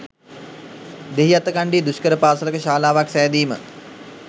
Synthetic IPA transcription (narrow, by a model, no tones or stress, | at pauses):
d̪eɦiat̪əkaɳɖiːd̪uskəɾəpaːsələkəʃaːlaːʋaksæːd̪iːmə̰